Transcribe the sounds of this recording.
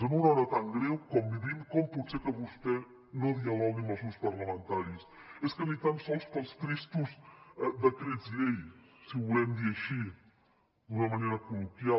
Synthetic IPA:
zənunɔɾɐt̪aŋɡɾɛwkɔmbiðimkɔmput̪seɾkəβust̪ɛ | nõðiɐlɔɣimɐlˠsuspɐɾlɐmə̃nt̪aɾiseskənit̪amsɔlˠspəlˠstɾist̪uzɛd̪ɐkɾezilej | siβulɛmd̪iɐʃi | d̪unɐmɐneɾɐkulukja

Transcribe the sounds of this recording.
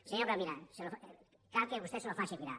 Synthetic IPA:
seɲopɾamiɾaselo | kakeβust̪eselofaʃekiɾa̰

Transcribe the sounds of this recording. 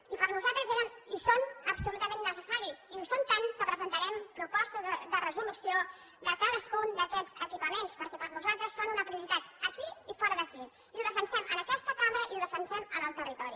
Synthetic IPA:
ipəɾnuzalˠt̪ɾəzðiəmisonəpsulut̪əmenːəsəsaɾisisont̪aŋkəpɾəzənt̪əɾɛmpɾupɔst̪əðərəzulusio | ðəkaðəskund̪əkɛd͡zəkipəmenspəɾkɛpəɾnuzalˠt̪ɾəsːonunəpɾiuɾit̪at̪əkiifɔɾəðəki | ilˠd̪əfənsɛmənəkɛst̪əkaməɾəʔilˠðəfənsɛmənəlˠt̪ərit̪ɔɾi

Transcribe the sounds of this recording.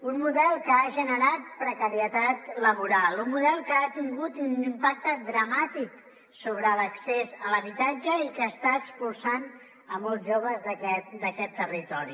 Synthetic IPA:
unmuðɛlˠkəaʒənəɾat̪̚pɾəkəɾiət̪at̪ləβuɾalˠunmuðɛlˠkəːt̪iŋɡut̪inimpak̚t̪əd̪ɾəmat̪ik | soβ̞ɾələksezələβit̪ad͡ʒəikəːst̪aəkspulˠsan | əmɔlˠzʒoβ̞əzðəkɛt̪d̪əkɛt̪ːərit̪ɔɾi

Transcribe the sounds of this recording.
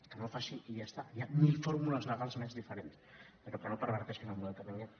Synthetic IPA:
kənofasiijast̪ajamilˠfoɾmuləzləɣalˠzmɛzðifəɾenspəɾopkɾənopəɾβəɾt̪ɛʃkinəlˠmuðɛlˠk̪ət̪ɛŋə

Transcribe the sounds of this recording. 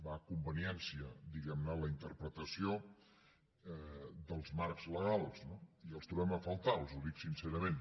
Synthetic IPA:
bakumbəniɛnsiəd̪iɣɛmnələint̪əɾpɾət̪əsio | d̪əlˠzmaɾkz̥ləɣ̞alˠsnoiəlˠst̪ɾuβɛməfəlˠt̪alˠzuðiksinsɛɾəmen

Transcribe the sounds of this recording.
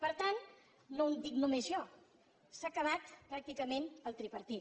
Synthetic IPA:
pəɾt̪an | nond̪iknumezʒɔ | sakəβ̞at̪pɾak̚t̪ikəmenəlˠt̪ɾipəɾt̪i

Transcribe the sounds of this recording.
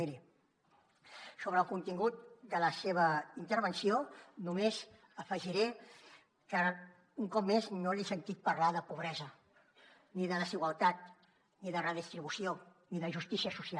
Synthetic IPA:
ɾi | soβ̞ɾəlˠkunt̪iŋɡut̪̚d̪ələseβ̞əint̪əɾβənsionumez | əfəʒiɾe | kə | uŋkɔp̚meznoliesənt̪it̪̚pəɾlaðəpuβ̞ɾɛzə | niðələziɣwəlˠt̪at̪̚ | niðərəðist̪ɾiβusio | niðəʒust̪isiəsusia

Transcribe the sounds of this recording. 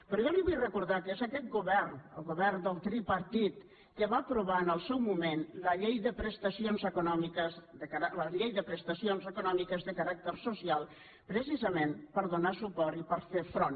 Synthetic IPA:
pɾɔjɔliβujrəkuɾðakəezakɛt̪̚ɡuβɛrnə̰lˠɣuβɛrnd̪əlˠt̪ɾipəɾt̪it̪ | kəβaːpɾuβaənəlˠsɛwmumenləʎejðəpɾəst̪əsionzəkunɔmikəzd̪əkaɾaləʎejðəpɾəst̪əsionzəkunɔmikəzðəkaɾak̚t̪əɾsusialˠ | pɾəsizəmenpəɾðunasupɔɾipəɾfefɾon

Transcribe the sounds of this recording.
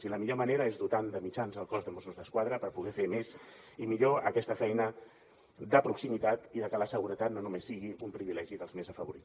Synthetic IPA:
siləmiʎoməneɾəezðut̪and̪əmit͡ʃanzəlˠkɔzðəmusuzðəskwaðɾəpəɾpuɣɛfemez | imiʎoəkɛst̪əfɛjnə | d̪əpɾuksimit̪at̪iðəkələsəɣ̞uɾət̪at̪nonumesːiɣiʔumpɾiβilɛʒiðəlˠzmezəfəβuɾi

